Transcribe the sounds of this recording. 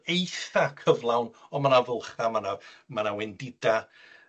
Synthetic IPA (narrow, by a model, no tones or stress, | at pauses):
ejθakʰəvlˠawnɔmanavəlˠχamanamanawɛndɪda